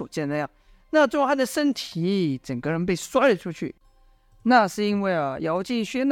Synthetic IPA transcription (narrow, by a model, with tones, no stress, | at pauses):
u˨˩t͡ɕjɛ˥˩na˧jɑ˥˩ŋ | na˥˧ʈ͡ʂxa˥˩d̪ə˨ʂə˥nt̪ʰi˧˥ʈ͡ʂə˨˩ŋɡə˧˦ɻə˧˥np̬e˥˩ɪswa˥˩ʈ͡ʂʰu˥t͡ɕʰy̰˥˩ | na˥˧ʂɻ̩˥˩i˥nwe˥˩ɪɐ˩jɑ˧˥ʊt͡ɕi˥˧ŋɕɥɛ˥n˥